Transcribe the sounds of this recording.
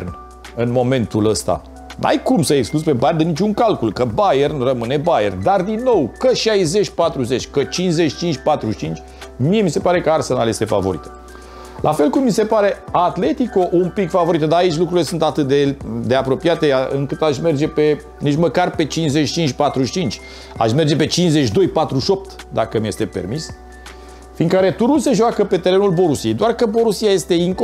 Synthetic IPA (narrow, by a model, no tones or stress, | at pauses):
rn | ɨnmo̞me̞nt̪uləst̪a̰ | nʔa̰jkumsəekskluspe̞bajernd̪enit͡ʃuŋkalkulkəbajernrəmɨne̞bajḛrnd̪ard̪inːo̞wkəʃajze̞t͡ʃʲpat̪ɾuze̞t͡ʃʲkət͡ʃinzet͡ʃt͡ʃint͡ʃʲpat̪ɾuʃt͡ʃint͡ʃʲ | mije̞mise̞paɾe̞kəarsənaljest̪e̞fa̰vo̞̰ɾit̪ə̥ | lʔafe̞lkummise̞paɾeat̪le̞t̪iko̞ʔumpikfavo̞ɾit̪əd̪aːit͡ʃʲlukɾuɾile̞sunt̪at̪ɨt̪̚d̪e̞d̪e̞apɾo̞piat̪e̞ɨ̰ŋkɨt̪aʃʲme̞rd͡ʒe̞pe̞ | niʃməkarpe̞t͡ʃinsze̞t͡ʃt͡ʃint͡ʃʲpat̪ɾuʃʲt͡ʃint͡ʃʲ | a̰ʃme̞rd͡ʒe̞pe̞t͡ʃinsze̞t͡ʃd̪o̞jpat̪ɾuʃo̞p̚t̪d̪akəmje̞st̪e̞pe̞̰rmis | fiːnkəaɾet̪uɾulse̞ʒoakəpe̞t̪e̞ɾe̞nulbo̞ɾusije̞jd̪oarkəbo̞ɾusiaje̞st̪e̞iŋk